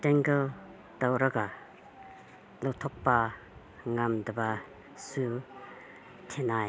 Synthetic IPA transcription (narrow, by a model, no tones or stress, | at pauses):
tɛŋɡə | tawɾaɡa | lɔwtʰɔk̚pa | ŋamdaba | su | tʰenaj